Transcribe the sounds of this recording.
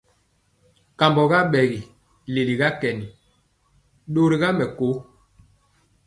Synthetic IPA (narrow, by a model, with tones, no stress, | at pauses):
ka˨mbɔ˨ɣa˦ɓɛ˨ɣi˨ | le˨li˨ɣa˦kɛ˨ni˨ | ɗo˦ɾi˦ɣa˦mɛ˨ko˨˦